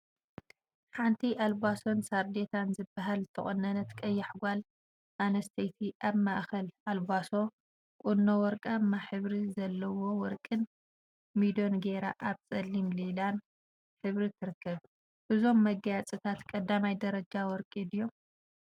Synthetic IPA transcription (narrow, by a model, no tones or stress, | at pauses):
ħant̪ʰiʔalbaso̞nsaɾd̪et̪ʰanzɨbːaɦalt̪ʰɐχʼɔnːɐnɐt̪kʼɐjːaħɡʷal | ʔanɐst̪ʰɐjt̪ʰiʔaβmaʔxɐlalbaso̞ | kʼunːowɔɾkʼamːaħɨβɾizɐlːɐwo̞wɔɾkʼɨn | mid̪o̞nɡeɾaʔaβt͡sʼɐlːimlilan | ħɨβɾit̪ʰɨɾɨkːɐβ | ʔɨzo̞mːɐɡajat͡sʼɨt̪ʰat̪kʼɐd̪ːamajd̪ɐɾɐd͡ʒawɔɾkʼid̪jom